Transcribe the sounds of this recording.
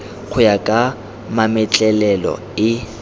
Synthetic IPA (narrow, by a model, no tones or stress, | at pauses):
k͡xʰʊjakʼa | mamɪt͡ɬʼɛlɛlɔ̰ | ɪ